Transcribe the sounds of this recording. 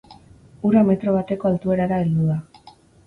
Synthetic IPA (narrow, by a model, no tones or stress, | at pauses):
uɾame̞t̪ɾo̞βat̪e̞ko̞alt̪ue̞ɾaɾaeld̪uða